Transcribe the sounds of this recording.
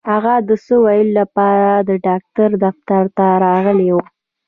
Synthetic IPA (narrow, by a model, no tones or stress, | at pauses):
haɣad̪əsəwajəllapɑɾad̪əɖɑk̚t̪aɾd̪aft̪aɾt̪aɾɑɣəlewu